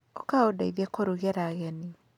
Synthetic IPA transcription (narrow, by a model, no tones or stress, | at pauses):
okaodaiðɛkoɾuɣeɾaɣɛni